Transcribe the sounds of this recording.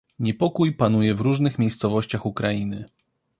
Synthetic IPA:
ɲɛpɔkujpanujɛvɾuʐnɘxmʲejst̪sɔvɔɕt͡ɕaxukɾainɘ

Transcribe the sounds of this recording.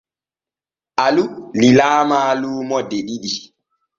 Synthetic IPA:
ʔalulilaːmaːluːmɔdeɗiɗi

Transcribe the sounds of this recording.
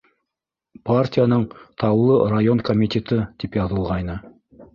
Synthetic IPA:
partʲijanɤɴt̪ʰɑwlˠɤrajo̞nkomʲitʲet̪ɤt̪ipjɑðɤ̆lˠʁɑjnɤ

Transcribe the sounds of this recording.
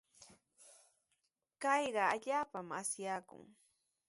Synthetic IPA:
kɑjɢɑaʎaːpamasjaːkʊ̰ŋ

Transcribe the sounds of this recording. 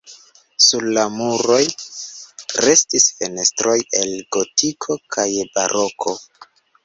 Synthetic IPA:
suɾlamuɾo̞j | ɾe̞stisfe̞ne̞stɾo̞je̞lɡo̞tʰikʰo̞kʰajbaɾo̞kʰo̞

